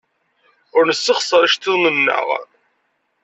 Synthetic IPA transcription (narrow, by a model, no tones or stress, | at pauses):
ʊɾnəsːəχsˤəɾˤəʃt̪iðmənːə̰ʁ